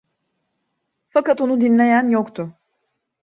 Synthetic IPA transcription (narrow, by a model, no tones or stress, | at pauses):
fakat̪onud̪inlʲe̞jænjokt̪ʰʊ